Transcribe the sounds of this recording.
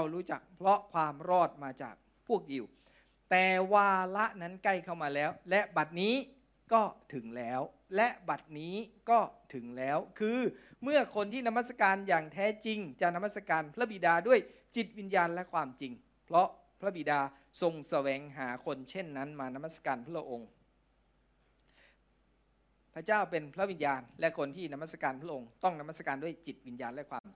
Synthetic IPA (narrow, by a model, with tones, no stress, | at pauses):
a˧wɾuː˦˥t͡ɕa˨˩k̚pʰɾɔ˦˥kʰwaː˧mɾɔː˥˩t̪̚maː˧t͡ɕa̰ː˨˩k̚ | pʰu˥˩ək̚ʔi˨˩w | t̪ɛː˨˩waː˧la˦˥ʔna˦˥nka˥˩jkʰa˥˩wmaː˧lɛː˦˥wlɛ˦˥ʔba˨˩t̪̚niː˦˥ | kɔː˥˩t̪ʰɯ˩˦ŋlɛː˦˥w | lɛ˦˥ʔba˨˩t̪̚niː˦˥kɔː˥˩t̪ʰɯ˩˦ŋlɛː˦˥wkʰɯː˧mɯ˥˩ɐkʰo˧nt̪ʰiː˥˩na˧˥ma˥˩t̪sa˧kaː˧njaː˨˩ŋt̪ʰɛː˦˥t͡ɕi˧ŋt͡ɕaː˨˩k̚na˧ma˥˩sa˧kaː˧npʰɾa˦˥bi˨˩daː˧du˥˩əj | t͡ɕi˨˩t̪̚wi˧njaː˧nlɛ˦˥kʰwaː˧mt͡ɕi˧ŋ | pʰɾɔ˦˥ | pʰɾa˦˥bi˨˩daː˧ | so˧ŋsa˧wɛː˩˦ŋɦaː˩˦kʰo˧nt͡ɕʰe˥˩nːa˦˥nmaː˧na˧ma˥˩sa˧kaː˧npʰa˦˥a˧˥ʔo˧ŋ | pʰa˦˥t͡ɕaː˥˩wpe˧npʰɾa˦˥wi˧njaː˧nlɛ˦˥ʔkʰo˧nt̪ʰiː˥˩na˧ma˥˩t̪̚sa˧kaː˧npʰɾʔo˧ŋt̪ɔ˥˩ŋna˧ma˥˩t̪̚sa˧kaː˧ndu˥˩əjt͡ɕi˨˩t̪̚wi˧njaː˧nlɛ˦˥kʰwaː˧m